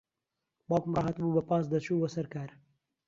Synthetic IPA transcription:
bɑːpmrɑːɦɐt̪buːbɐpɑːs̬d̪ɐt͡ʃuːbɐsɐɾkaːɾ

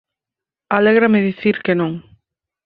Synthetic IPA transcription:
alɛɣɾamɪðiθiɾkenõŋ

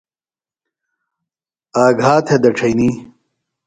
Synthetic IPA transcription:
aːɡʱaːt̪ʰed̪ɐʈ͡ʂʰɐjni

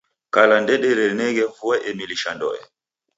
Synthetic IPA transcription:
kalandɛɗɛɾɛlnɛɣɛvuɛʔɛmiliʃandɔ̰ɛ̰

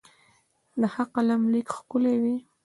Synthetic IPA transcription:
lahaqalamlikxkʊlewi

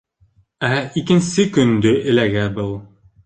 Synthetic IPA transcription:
æikɘ̆nsɘkɵ̆nd̪ɵʔɘ̆læɡæbɤlˠ

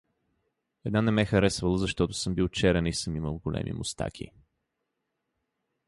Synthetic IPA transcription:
ɛd̪nanɛmɛxɐɾɛsvəlˠəzɐʃt̪ɔt̪ʊ̥sɤmbilˠt͡ʃɛɾɛnisɤmiməlˠɡolɛ̰mʔḭmʊst̪a̰kʰʲḭ

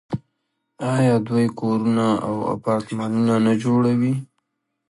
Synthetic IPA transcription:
ɑjɑd̪wajkoɾunaa̰wa̰pɑɾt̪mɑnunanad͡ʒoɽawi

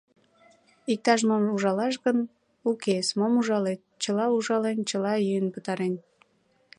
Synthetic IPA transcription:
ik̚t̪ɑʃ̬momuʒɑlɑʃ̬ɣən | ukesmomuʒɑle | t͡ɕəlɑuʒɑlent͡ɕəlɑjyjənpət̪ɑɾen

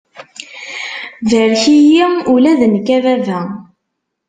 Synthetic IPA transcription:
vəɾçijiulæðənkːævævæ

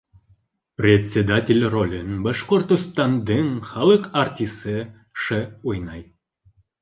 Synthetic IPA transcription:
prʲet̪ʲsʲed̪atʲelʲrolʲənbaʃqort̪ost̪ɑnd̪ɤŋχɑlˠəqart̪ʲisɨ | ʃɘujnɑj

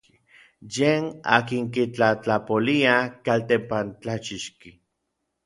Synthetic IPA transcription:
jeːna̰ːkiŋk̬it͡ɬat͡ɬapoliakalt̪empant͡ɬat͡ʃiʃki

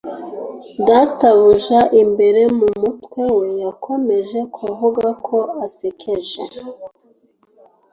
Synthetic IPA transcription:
dataβuʒaʔimbe̞ɾe̞mumutwe̞we̞jakʰo̞me̞ʒe̞kʰuvuɡakʰo̞asekʰeʒḛ

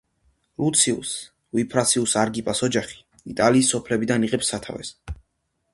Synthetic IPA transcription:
ɾut̪sʰiṵs | vipʰɾasiusaɾɡipʼasɔd͡ʒaχi̥ | it̪ʼaliːsːɔpʰlɛbid̪aniʁɛpsːat̪ʰa̰vɛ̰s

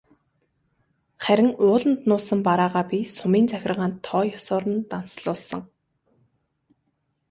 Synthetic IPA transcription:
χæɾʲɪ̆ŋʊːɮə̆nt̪nʊːsə̆mpaɾaːʁaːpʲisʊmiːnt͡sæxʲɪ̆rʁaːnt̪ʰːɔːjɔsɔːɾə̆nt̪an̥sɮʊːɮsə̆ŋ

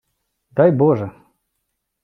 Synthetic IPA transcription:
d̪ajboʐə

